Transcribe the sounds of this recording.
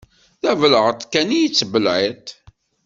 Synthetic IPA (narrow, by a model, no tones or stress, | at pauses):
θævəlʁət̪ˤkænijit͡sːbəlʕit̪